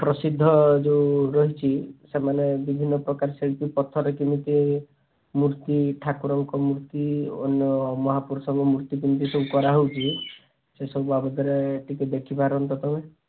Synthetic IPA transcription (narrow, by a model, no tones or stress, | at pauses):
pɾɔsid̪ʱːɔd͡ʒeuɾɔɦit͡ʃʰisemanebibʱinːɔpɾɔkaɾselpipɔt̪ʰːɔɾekimit̪i | muɾt̪iʈʰakuɾɔŋkɔmuɾt̪io̰njɔmɔɦapuɾɔsɔŋɡɔmuɾt̪ik̬imit̪̬iseũkɔɾaɦowt͡ʃʰi | sesɔbbabɔd̪ɔɾeʈikid̪ekʰipaɾɦɔnt̪ɔt̪ɔbe